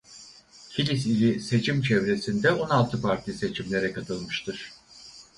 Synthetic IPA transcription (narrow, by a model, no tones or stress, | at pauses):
cʰilʲisilʲise̞t͡ʃʰimt͡ʃʰɛvɾe̞sind̪ɛo̞nalˠt̪ʰɯpʰaɾt̪ʰʲise̞t͡ʃʰimlʲe̞ɾɛkʰat̪ʰɯlˠmɯʃt̪ʰɯɾ̥